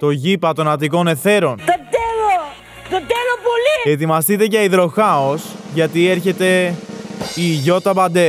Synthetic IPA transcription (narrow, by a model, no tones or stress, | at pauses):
t̪o̞ʝipɐt̪o̞nɐt̪iko̞ne̞θe̞ɾo̞nt̪ɐt̪elo | t̪ɐt̪elopolie̞t̪imɐst̪it̪e̞ʝɐiðɾo̞xɐo̞sʝɐt̪ie̞ɾçe̞t̪e̞ | iʝo̞t̪ɐbɐnd̪e̞